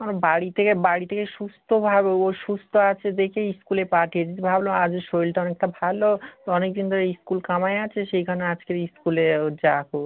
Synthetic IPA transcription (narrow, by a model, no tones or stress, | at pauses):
onobaɽit̪ʰekebaɽit̪ʰekeʃust̪ʰobʱabeoʃust̪ʰoat͡ɕʰed̪ekʰeiskulepaʈʰied͡ʑit̪̬ebʱabload͡ʑeɾʃojlʈaɔnek̚ʈabʱalot̪ɔnek̚d̪ind̪ʱɔɾeskulkamaeat͡ɕʰeʃejkʰanead͡ʑkeɾiskuled͡ʑako